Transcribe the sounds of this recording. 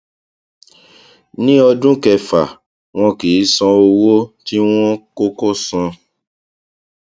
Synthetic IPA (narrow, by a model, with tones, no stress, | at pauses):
nĩ˦ɔ˧dũ˦kɛ˧fa˨ | w̃ɔ̃˧ki˨˦sɔ̃˧o˧wo˦ti˦w̃ɔ̃˦ko˦ko˦sɔ̃˧